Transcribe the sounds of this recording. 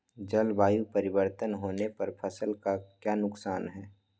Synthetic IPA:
d͡ʒɐlbaːjupɐɾɪbəɾt̪ənɦoːnepɐɾpʰɐsəlkakjaːnʊksaːnɦɛː

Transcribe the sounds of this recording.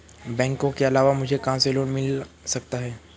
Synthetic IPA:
bɛ̃ːŋkõkeɐlaːʋamʊd͡ʒʱekɐɦãseloːɽmɪlsɐk̚t̪aɦɛː

